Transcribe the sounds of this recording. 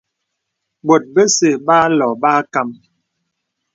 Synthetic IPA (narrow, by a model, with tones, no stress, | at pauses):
bo˨t̚bə˦se˨ba˦lɔ˨ba˦ka˦˨m